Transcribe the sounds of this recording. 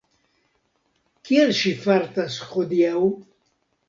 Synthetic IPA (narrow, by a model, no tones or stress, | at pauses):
kʼiɛɾʃifaɾt̪asχɔd̪iaw